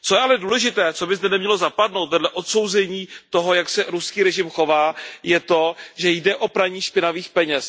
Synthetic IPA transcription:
t͡so̞jɛalɛduːlɛʒɪt̪ɛːt͡so̞bɪzdɛnɛmɲɛlo̞zapadno̞wt̪vɛdlɛʔo̞t̪so̞wzɛɲiːt̪o̞ɦo̞jaksɛɾuskiːɾɛʒɪmxo̞vaːjɛt̪o̞ʒɛjdɛʔo̞pɾaɲiːʃpɪnaviːxpɛɲɛs

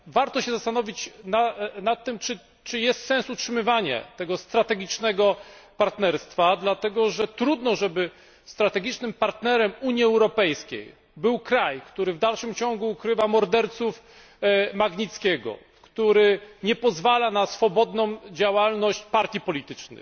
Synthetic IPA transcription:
vaɾt̪ɔɕɛzast̪anɔvʲit͡ɕnanat̪ːɘmt͡ʂɘ | t͡ʂɘjɛst̪sɛnsutʂɘmɘvaɲa̰t̪ɛɡɔst̪ɾat̪ɛɡʲit͡ʂnɛɡɔpaɾt̪nɛɾst̪fad̪lat̪ɛɡɔʐɛt̪ɾud̪nɔʐɛbɘ | st̪ɾat̪ɛɡʲit͡ʂnɘmpaɾt̪nɛɾɛmuɲjiɛwɾɔpɛjskʲḛj | bɘwkɾajkt̪uɾɘvd̪alʂɘmt͡ɕɔŋɡuːkɾɘvamɔɾd̪ɛɾt̪suf | maɡɲit̪skʲɛɡɔ̰ | kt̪uɾɘɲɛpɔzvalanasfɔbɔd̪nɔ̃w̃d͡ʑawalnɔɕt͡ɕpaɾt̪ʲjipɔlʲit̪ɘt͡ʂnɘ̰

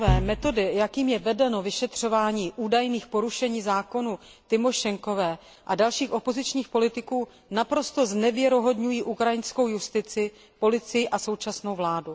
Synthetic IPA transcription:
vɛːmɛt̪o̞dɪjakiːmjɛvɛdɛno̞vɪʃɛt̪r̝̥o̞vaːɲiːʔuːdajniːxpo̞ɾuʃɛɲiːzaːko̞nu | t̪ɪmo̞ʃɛŋko̞vɛː | ʔadalʃiːxʔo̞po̞zɪt͡ʃɲiːxpo̞lɪt̪ɪkuː | napɾo̞st̪o̞znɛvjɛɾo̞ɦo̞dɲujiːʔukɾajɪnsko̞wjust̪ɪt͡sɪ | po̞lɪt͡sɪjɪʔaso̞wt͡ʃasno̞wvlaːdu

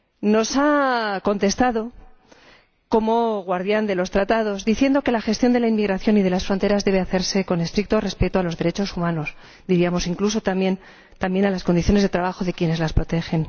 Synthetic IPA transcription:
no̞sako̞nt̪e̞st̪aðo̞ | ko̞mo̞ɣwaɾðjand̪e̞lo̞st̪ɾat̪að̞o̞zd̪iθje̞nd̪o̞ke̞laxe̞st̪jond̪e̞lainmiɣɾaθjo̞niðe̞lasfɾo̞nt̪e̞ɾazðe̞β̞e̞aθe̞ɾse̞ko̞ne̞st̪ɾik̚t̪o̞re̞spe̞t̪oalo̞zðe̞ɾe̞t͡ʃo̞sumãno̞s | d̪iɾiamo̞siŋkluso̞t̪amje̞n | t̪amje̞nalaskond̪iθjo̞ne̞zð̞e̞t̪ɾaβaxo̞ðe̞kjene̞zlaspɾo̞t̪e̞xe̞n

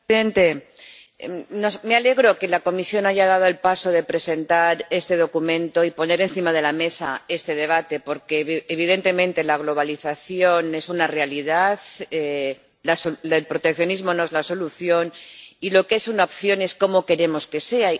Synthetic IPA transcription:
ðe̞nt̪e̞ | nosme̞ale̞ɣ̞ɾo̞ke̞lako̞misjo̞naʝað̞að̞o̞e̞lpaso̞ð̞e̞pɾe̞se̞nt̪aɾe̞st̪e̞ð̞o̞kumẽ̞nt̪o̞ipo̞ne̞ɾe̞nθimað̞e̞lame̞sae̞st̪e̞ð̞e̞β̞at̪e̞po̞ɾke̞ːβ̞iðe̞nt̪e̞mẽ̞nt̪e̞laɣ̞lo̞β̞aliθaθjo̞ne̞sunare̞aliðaθe | lasoelpɾo̞t̪e̞kθjo̞nizmo̞noezlaso̞luθjo̞nilo̞ke̞sunaopθjo̞ne̞sko̞mo̞ke̞ɾe̞mo̞ske̞se̞a

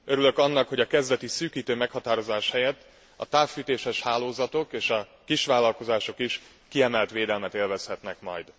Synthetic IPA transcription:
ø̞ɾylø̞kɒnːɒkho̞ɟɒkɛzd̪ɛt̪isyːkiːt̪øːmɛkhɒt̪aːɾo̞zaːʃhɛjɛt̪ː | ɒt̪aːffyːt̪eːʃɛʃhaːloːzɒt̪o̞keːʃɒ | kiʃʋaːlːɒlko̞zaːʃo̞kiʃ | kiɛmɛlt̪ʋeːd̪ɛlmɛt̪eːlvɛshɛt̪nɛkmɒ̰jd̪

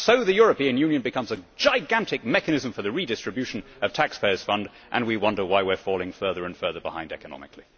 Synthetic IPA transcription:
soʊðɨjʊɹɨpĩɨ̃njʉ̃njɨ̃nbɨkʰʌ̃mzɨd͡ʒaɪɡæ̃ntɨk̚mɛkɨnɨz̃ɱfə˞ðɨɹidɪstɹ̥ɨbjʉʃɨ̃n̩ | ʌv̥tʰækspʰeɪə˞z̥fʌ̃nd | ʔɨ̰̃nwiwʌ̃ndə˞waɪwɪɹfɔlˠɪ̃ŋfɜ˞ðə˞ɨ̃nfɜ˞ðə˞bə̰hã̰ɪ̃ndɛ̰kənɑ̰mɨkʰli

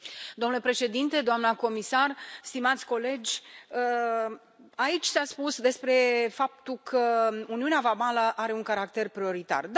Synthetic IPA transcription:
d̪omnlepɾe̞ʃe̞d̪int̪e̞d̪oamnəko̞misarst̪imat̪sʲko̞le̞d͡ʒʲə | ait͡ʃʲsaspusd̪e̞spɾe̞fap̚t̪ukʰəuniuneavamaləʔaɾe̞uŋkaɾakt̪e̞rpɾio̞ɾit̪a̰rd̪

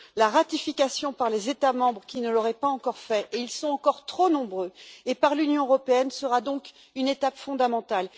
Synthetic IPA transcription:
laʁat̪ifikasjɔ̃paʁlezet̪amɑ̃bʁəkʲinəlɔʁɛpaɑ̃kɔʁfɛʔeilsɔ̃ɑ̃kɔʁt̪χonɔ̃bʁøepaʁlynjɔ̃øʁɔpeɛnsəʁad̪ɔ̃k | ynet̪apfɔ̃d̪amɑ̃t̪al

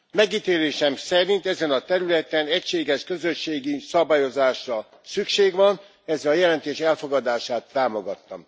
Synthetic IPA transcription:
mɛɡit̪eːleːʃɛmsɛɾint̪ɛzɛnɒt̪ɛɾylɛt̪ɛnɛcʃeːɡɛʃkø̞zø̞ʃːeːɡisɒbaːjo̞zaːʃrɒ | sykʃeːɡʋɒn | ɛzːɛlɒjɛlɛnt̪eːʃɛlfo̞ɡɒd̪aːʃaːt̪ːaːmoɡɒt̪ːɒ̰m

